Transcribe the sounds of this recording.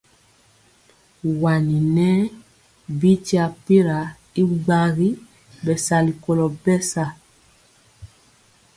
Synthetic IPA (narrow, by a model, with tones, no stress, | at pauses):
wa˨ni˨nɛ˦ | bi˦ti˦a˨pi˦ɾa˨ | i˦ɡ͡ba˦ɣi˦ | bɛ˨sa˨li˨ko˨lɔ˨bɛ˦sa˦˨